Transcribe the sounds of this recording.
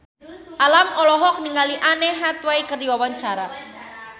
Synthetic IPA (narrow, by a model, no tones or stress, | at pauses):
ʔalamɔlɔɦɔk̚niŋaliʔanɛɦat̪wajkərd̪iwawaɲt͡ʃaɾa